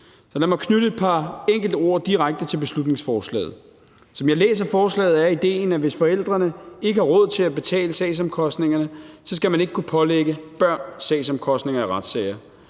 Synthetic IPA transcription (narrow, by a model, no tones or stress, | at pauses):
sɒl̥æmɑkʰnyɾəed̥̚pʰɑ̈eŋ̰ɡ̥l̩d̥o̝ɐ̰d̥iʁaɡ̥̚d̥ət͡sʰe̝lb̥e̝slud̥ne̝ŋsfɒːslɛ̰ːð̞̩ˠ | sɒ̽mjɑ̈ɪlḛːs̬ɐfɒːslɛ̰ːð̩ˠæɐid̥e̝̰ːnæʋe̝sfɒ̽el̰d̥ʁɐnəe̝ɡ̥əhɑ̈ʁɔ̽ð̞̰ˠt͡sʰe̝læb̥e̝t͡sʰɛ̰ːləsɛ̰ːɪsɒ̽mkʰɒ̽sd̥ne̝ŋɐnəsɒ̽sɡ̥æmæne̝ɡ̥ə̥kʰupʰɒ̽leɡ̥əb̥ɶɐ̰nsɛɪsɒ̽mkʰɒ̽sd̥ne̝ŋɐæʁɑd̥sɛ̰ɪɐ